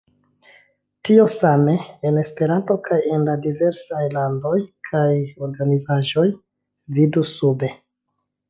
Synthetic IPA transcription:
tio̞same̞ene̞spe̞ɾanto̞kʰajenladive̞ɾsajlando̞jkʰajo̞ɾɡanizaʒo̞j | vidusube̞

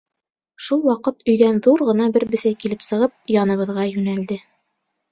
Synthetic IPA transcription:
ʃulˠwɑqɤt̪ɵ̆jðænðuɾʁɤ̆nɑbɘɾbɘ̆sæjkilɘpsɤ̆ʁɤp̚jɑnɤ̆βɤ̆ðʁɑjʉnæld̪ɘ

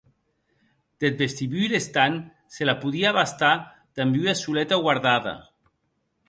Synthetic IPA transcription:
d̪̥et̪̚best̪iβyiɾest̪an | selapuðiaβast̪a | d̪̥ambyasulɛt̪aɣwaɾðaða̰

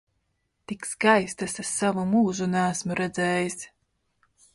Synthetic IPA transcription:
t̪ikskajst̪asasavumuːʒunæːsmuɾɛd̪zɛːjis

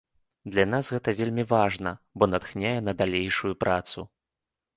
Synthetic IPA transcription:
d̪lʲanasɣɛt̪ɐvʲelʲmʲivaʐnɐbɔnɐt̪xnʲajɛnɐd̪alʲejʂujupɾat̪su

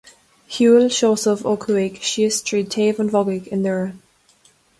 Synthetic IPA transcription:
hjuːlʃoːsəvokʰəekʃistʰɹ̥iːtʰːeːvə̃nvɔɡɪkɪ̃nðəɹə

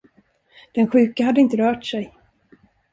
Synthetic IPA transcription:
d̪̥ɛnɧʉ̟ːkaɦad̪əɪnt̪əɾœːʈsɛj

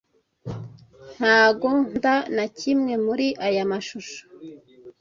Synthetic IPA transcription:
n̥haːɡo̞n̥danacimŋe̞muɾiʔajamaʃuʃo̥

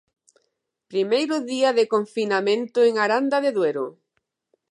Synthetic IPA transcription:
pɾimejɾʊðiaðekoɱfinamẽnt̪ʊeŋaɾand̪aðeðweɾʊ̰

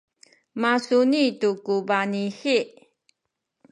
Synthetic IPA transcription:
masunitukubanixi

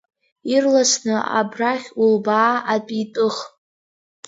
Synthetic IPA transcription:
irlasnɨʔa̰braχʲulbaːatʼitʼɨχ

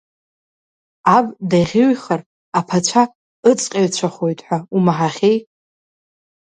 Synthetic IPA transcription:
abʼdajʁʲɪɥχar | apʰat͡ʃʷʰa | ɨt͡sʼqʲʼaɥt͡ɕʷʰaχojtʼħʷaumaħaχʲej

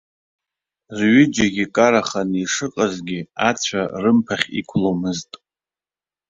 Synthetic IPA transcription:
rɥʏd͡ʒaɡʲikʼaɾaχaniʂɨqʼazɡʲɪat͡ɕʷʰarɨmpʰaχʲḭkʷʰlomɨztʼ

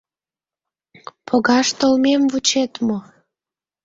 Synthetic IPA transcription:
pʰoɣɑʃt̪olmemvut͡ɕet̪mo

